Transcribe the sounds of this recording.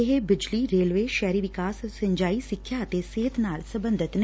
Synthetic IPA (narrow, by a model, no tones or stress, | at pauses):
eɦebɪd͡ʒliɾeːlʋeːʃɛːɾiʋɪkaːssə̃ɲd͡ʒaːisɪkʰːjaːt̪eseːt̪naːlsɐ̃bə̃nd̪ʱɪt̪n